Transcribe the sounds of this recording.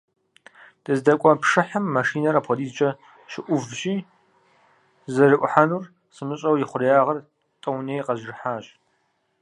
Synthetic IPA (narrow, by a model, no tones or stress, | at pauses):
d̥ɨzdɐkʷʼɔpʂɨħamːaʃiːnɐɾaːpʰʷɔdiːt͡ʃʼɐ | ʃɪʔʷʊvʒiː | zɐrɨʔʷʼʊħanuːr | sɨmɨɕʼɐwjɪχʷʊrjaːʁɐr | tʼɐwneːjqɐʒɪrħaːɕ